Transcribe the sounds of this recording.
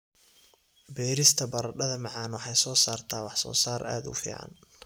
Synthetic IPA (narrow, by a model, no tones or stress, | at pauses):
bɛːɾɪst̪ʰɐbɐɾɐɖɐðɐmɑʕɑːnwɑħɑjsɔːsaːrt̪ʰaːwɑħsɔ̰ːsaːɾʔa̰ːd̪ʊ̰fḭːʕɑ̰n